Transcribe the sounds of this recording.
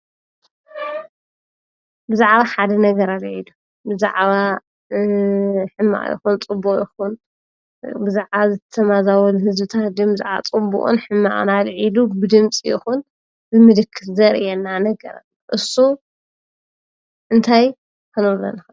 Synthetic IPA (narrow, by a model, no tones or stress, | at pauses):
bɨzaʕβaħad̪ɐnɐɡɐɾalʕilu | bɨza̰ʕβa | ħɨmːa̰ʔjɪ̰xunt͡sʼɨbːuʔʼjɪxun | bɨzaʕβazɨt̪ʰɐt̪ʰɐmazawɐluhɨzbɨt̪ʰat̪d̪ɨmbɨza̰ʕβa̰t͡sʼɨbṵʔʼṵnħɨmːa̰ʔnalʕilubɨd̪ɨmt͡sʼijɪxun | bɨmɨd̪ɨkʰːɨfzɐɾʔɛnːanɐɡɐɾa̰l | ʔɨsːu | ʔɨnt̪ʰaj | kʰɨnɨlːɐ̰nɨxɨ